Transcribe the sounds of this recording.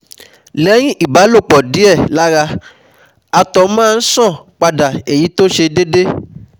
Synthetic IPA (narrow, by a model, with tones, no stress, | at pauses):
lɛ˨˦j̃ĩ˦ʔi˦˨ba˨˦lo˦˨k͡pɔ˨di˦ɛ˦˨la˦ɾa˧ | a˧tɔ˨˦mãː˦˧n̩˦sɔ̃˦˨k͡pa˧da˨e˨ji˨˦to˦ʃe˧de˦de˦